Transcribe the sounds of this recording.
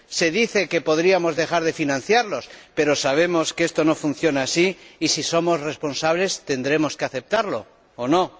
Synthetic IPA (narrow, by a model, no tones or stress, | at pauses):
se̞ðiθe̞ke̞po̞ðɾiamo̞zðe̞xaɾðe̞finãn̟θjaɾlo̞spe̞ɾo̞saβ̞e̞mo̞skee̞st̪o̞no̞fun̟θjo̞naasiːsiso̞mo̞zre̞spo̞nsaβ̞le̞st̪e̞nd̪ɾe̞mo̞ske̞aθe̞p̚t̪aɾlo̞ː | no̞